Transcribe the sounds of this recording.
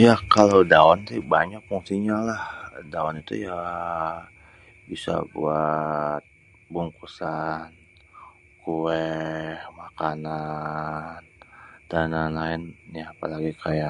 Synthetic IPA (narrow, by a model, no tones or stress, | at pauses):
jakalowdaɔnsɪbaɲak̚fuŋsiɲalahdaɔnit̪ṵja | bisa̰bṵat̪̚ | buŋkusan | kuɛhmakana | ndananlaɪnjaːpalaɡikʰaja